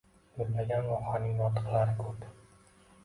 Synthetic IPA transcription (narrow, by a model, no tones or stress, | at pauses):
jʊɾlaɡʲanɾɒχanɪŋnɒt̪ɨ̥qlˠaɾɪkʰɵp